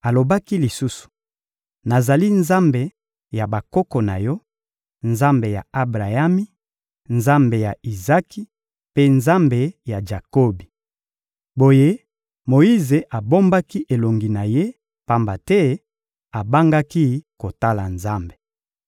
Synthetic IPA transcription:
a˨lo˨ba˦ki˦li˨su˦su̥˨ | na˨za˨li˦nza˦mbe˨ | ja˨ba˨ko˦kɔ˨na̰˨jɔ˦ | nza˦mbe˨ja̰˨a˨bʁa˨ja˦mi˦ | nza˦mbe˨ja˨i˨za˦ki˦ | pe˦nza˦mbe˨ja˨ʒa˨ko˦bi˨ | bo˨je˦ | mo˨i˦ze˨ʔa˨bo˦mba˦ki˦ʔe˨lo˨ŋɡi˨na˨je˦ | pa˦mba˨tɛ˦ | a˨ba˦ŋɡa˦ki˦ko˨ta˦la̰˨nza˦mbe̥˨

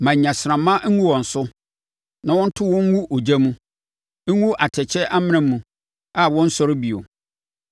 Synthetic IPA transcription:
mã˨ɲ˨ɲã˨sɪ˨ɾã˨mːã˦ŋ̩˦wũ˦wɔ̃˨n̩˨sʊ˦ | nã˨wɔ̃˦n̩˦tʰʊ˦wɔ̃˦ŋ˦wu˦ʔo˨d͡ʑa˦mũ˦ | wu˦ʔa˨tʰɛ˨t͡ɕʰɛ˦ʔa˦mɪ̃˦nɪ̃˦mũ˨ | a˦˨wɔ̃˦n̩˦sɔ˦ɾɪ˦bi˨o̰˨

